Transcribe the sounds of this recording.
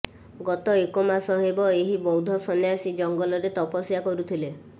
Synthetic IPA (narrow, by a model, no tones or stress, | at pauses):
ɡɔt̪ɔekomasɔɦebɔeɦibɔwd̪ʱɔsɔnjasid͡ʒɔŋɡɔlɔɾet̪ɔpɔsjakɔɾut̪ʰile